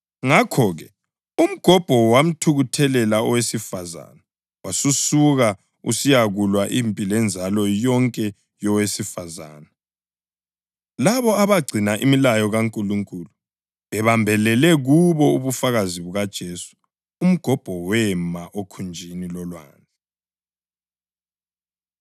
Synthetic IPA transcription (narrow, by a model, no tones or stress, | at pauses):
ŋakʰɔɣɛ | um̩ɡ̥ʱɔb̥ʱɔwam̩tʰuɣutʰɛlɛlaɔwesifaza̰na | wasusuɣa | ṵsijaɣulwaʔimpʼilɛnd͡zʱalɔjɔŋkʼɛ | jɔwesifaza̰ːna | laβɔaβaɡ͡ǀʱinaʔimilajɔɣaŋkʼuluŋkʼulu | βɛβambʱɛlɛlɛɣuβɔuβufaɣaziβuɣad̥ʒ̥ʱeːsu̥ | um̩ɡ̥ʱɔb̥ʱɔwɛmaʔokʰund͡ʒʱinilɔlwa̰ːnd͡zʱi